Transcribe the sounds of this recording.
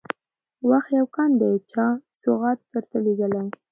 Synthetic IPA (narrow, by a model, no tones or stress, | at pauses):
waxt̪jawkɑnd̪ajt͡ʃɑsʊɣɑt̪ːəɾt̪əleɡ̪əlaj